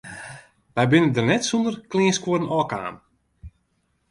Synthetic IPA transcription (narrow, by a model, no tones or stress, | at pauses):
ʋɛjbɪnəndərnɛtsundərklɪənskwodənɔːka̰ːn